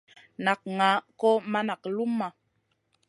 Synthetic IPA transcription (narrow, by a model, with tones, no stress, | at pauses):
na˨k̚ŋa˨˦kɔ˦ma˦na˨klu˦mːa˨